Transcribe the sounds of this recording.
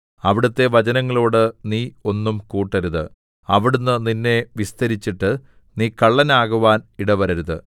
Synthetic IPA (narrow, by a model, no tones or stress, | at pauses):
ɐʋiɽut̪ːe̞ʋɐt͡ɕɐnɐŋːɐɭo̞ːɽɨniːo̞nːumkuːʈːɐɾuðɨ | ɐʋiɽunːɨninːe̞ʋist̪ɐɾit͡ɕːiʈːɨ | niːkɐɭːɐnaːɣuʋaːniɽɐʋɐɾɐɾuðɨ